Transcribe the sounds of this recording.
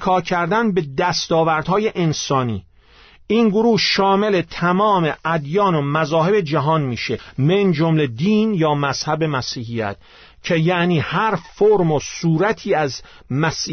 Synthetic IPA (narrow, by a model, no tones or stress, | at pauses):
kʰɒːcʰæɾd̪ænbe̞d̪æst̪ɒːvæɾd̪hɒːjeʔensɒːniː | iːnɡoɾuːhʃɒːmele̞t̪ʰæmɒːme̞ʔæd̪jɒːnomæzɒːɦe̞be̞d͡ʒæɦɒːnmiːʃemend͡ʒomled̪iːnjɒːmæz̥hæbe̞mæsiːhijæ̰t̪ʰ | cʰe̞jæʔniːhæɾfoɾmosuːɾæt̪ʰiːæz | mæsiː